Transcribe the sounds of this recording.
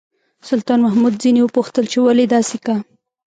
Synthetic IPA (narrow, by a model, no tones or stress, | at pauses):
sʊlt̪ɑnmahmud̪zinewəpuxt̪əlt͡ʃewaled̪ɑseka